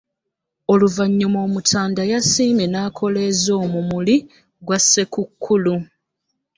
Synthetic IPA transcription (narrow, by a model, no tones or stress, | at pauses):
o̞luvaɲːumo̞ːmutʰaːndajasiːmenaːkʰo̞le̞ːzo̞ːmumuli | ɡwasːe̞kukʰːulu